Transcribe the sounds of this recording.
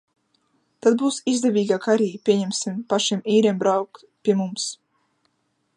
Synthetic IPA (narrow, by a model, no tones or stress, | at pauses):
t̪ad̪̚buːsizd̪avʲiːɡakaɾʲiːpʲiɛɲɛmʲsʲimpaʃimiːɾʲɛmbɾawk | pʲiɛmums